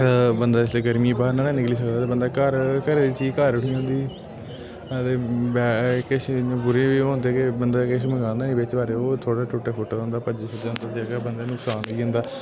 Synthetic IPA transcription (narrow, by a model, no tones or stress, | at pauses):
bənd̪aːɪsleːɡəɾmiːbaːɾnaːɽãːnɪkliːs̬əkd̪aːt̪eːbənd̪aːkəɾkəɾeːit͡ʃiːkəɾʊʈʰiːɦõnd̪iː | t̪eːbɛkɪʃːbuːɾẽːbiːɦʊ̃nd̪eːkɪbənd̪aːkɪʃməɡãːnd̪aːeːbɪt͡ʃbaːɾeːoːt̪ʰoːɽaːʈʰʊʈːaːpʰʊʈːɦʊ̃nd̪aːpəɲd͡ʒəsəd͡ʒaːɦʊ̃nd̪aːt̪akbənd̪eːnʊksaːnʋiːɦʊ̃nd̪aː